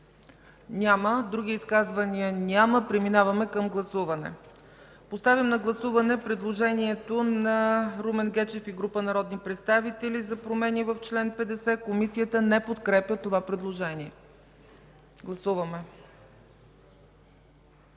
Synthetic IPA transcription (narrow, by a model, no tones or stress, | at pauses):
nʲaməd̪ɾuɡ̟ʲiiskazvəniənʲaməpɾɛminavɐmɛkəmɡlˠɐsuvɐnɛ̰ | post̪avʲjəmnɐɡlˠɐsuvɐnɛpɾɛd̪lˠoʒɛniɛt̪onɐɾumɛnɡɛt͡ʃɛfiɡɾupənɐɾɔd̪nipɾɛt̪st̪avit̪ɛlizɐpɾomɛnivəft͡ʃlɛnpɛd̪ɛsɛkomisijət̪ənɛpot̪kɾɛpʲjət̪ovapɾɛd̪lˠoʒɛniɛ | ɡlˠɐsuvɐmɛ